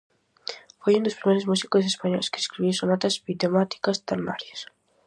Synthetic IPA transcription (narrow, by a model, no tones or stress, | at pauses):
fojũnd̪ospɾimejɾozmusi̥kos̬espaɲɔjske̥eskɾiβisonat̪ɐzbit̪emat̪i̥kɐst̪eɾna̰ɾjɐs